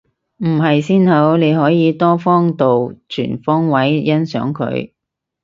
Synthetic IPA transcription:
m̩˨˩ɦɐ˨jsiː˥nhɐ˨˥wne˨˧jɦɔː˨˥jiː˨˧t̪ɔː˥fɔː˥ŋt̪o˨wt͡ʃʰy̰ː˨˩nfɔː˥ŋwɐ˨˥jjɐ˥nsœ̰ː˨˥ŋkʰɵ̰˨˧˥ɥ

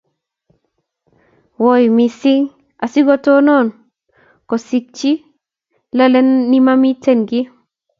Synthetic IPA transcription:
wo˨jmi˨si˦ŋ | a˨si˦ɡɔ˦to˦nɔ˦˨n | ko˨si˨k̚t͡ʃi˦ | la˦le˦nːi˦ma˦mi˦te˦nɡi˦

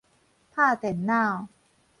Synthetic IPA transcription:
p̪ʰaː˥˩t̪e˨˩˦nːaː˥˩w

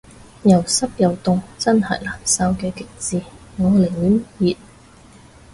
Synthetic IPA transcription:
jɐ˨˩wsɐ˥p̚jɐ˨˩wt̪ʊ˧ŋt͡sɐ˥nhɐ̰˨˩jlaː˨˩nsaː˥wkɛː˧kɪ˨k̚t͡siː˨˧ŋɔː˨˧le˨˩jmyː˨˥njiː˨˩t̚

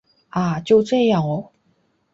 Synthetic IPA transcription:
a˥˩t͡ɕjo˥˧ʊʈ͡ʂɤ˥˧jɑ˥˩ŋɔ˨˩

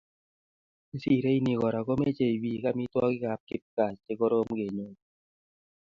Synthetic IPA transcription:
i˦si˦˨ɾe˦i˦ni˨kɔ˨ɾa˨ko˦me˦t͡ʃe˨i˨bi˦˨ka˦mi˦twɔ˦kɪ˦ka˨p̚kɪ˦p̚ka˨t͡ʃt͡ʃe˦ko˦ɾo˦m˦ke˨ɲo˦

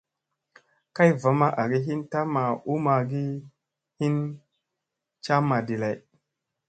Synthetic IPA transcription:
ka˦jva˨˦ma˦ʔa˨ɡi˦ɦi˦nta˦ma˨u˦ma˨ɡi˦ | hi˦n | t͡ʃa˦ma˨di˨la˨j

